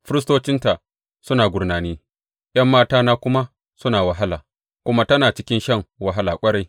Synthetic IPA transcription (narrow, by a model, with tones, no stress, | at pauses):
ɸɪ˦ɾɪ˦s̬toː˦t͡ʃɪ˦nta˨ | sʊ˦naː˨ɡʷʊ˨rnaː˨niː˦ | j̰ɐ˦mːaː˦taː˦naː˦kʷʊ˦ma˦ | sʊ˦naː˨wɐ˨ɦa˦laː˨ | kʷʊ˦ma˦tɐ˦naː˨t͡ʃɪ˦kʲɪ˦nʃɐ˦˨ŋwɐ˦˨ɦa˦laː˨kʷʼɐ˦ɽa˦j